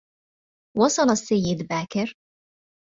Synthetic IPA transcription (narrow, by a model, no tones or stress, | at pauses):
wɑsˤɑlasːajːɪd̪baːkɪɾ